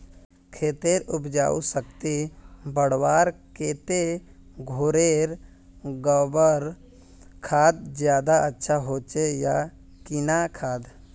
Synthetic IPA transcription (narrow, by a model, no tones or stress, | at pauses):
kʰeːt̪eɾʊpd͡ʒa̰ːṵsəkt̪ibəɽ̤waːɾkeːt̪eɡʱoɾeːɾ | ɡəbəɾ | kʰaːd̪d͡ʒjaːd̪aətːʃʰaɦoːt͡ʃeja | kɪnakʰaːd̪